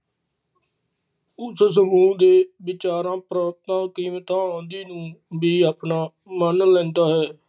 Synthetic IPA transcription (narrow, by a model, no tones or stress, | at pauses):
ʊss̬əmuːd̪eːʋɪt͡ʃaːɾãːpɾaːt̪ãːkiːmt̪ãːõːnd̪iːnũːbiːaːpnaː | mənlɛ̃ːnd̪aːɦɛː